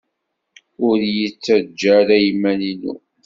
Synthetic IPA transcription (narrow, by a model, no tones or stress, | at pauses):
ʊɾjət͡sːæd͡ʒːæɾæjəmːæninṵ